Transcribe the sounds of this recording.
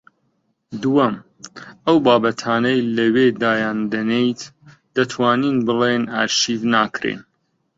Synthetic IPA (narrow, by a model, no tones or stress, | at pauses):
d̪uwɐm | ʔɐwbaːbɐt̪ʰaːnɐjlɐwed̪aːjaːnd̪ɐnejt̪ | d̪̥ɐt̪ʰwaːninbɨlena̰ːɾʃiːvnaːkɾḛn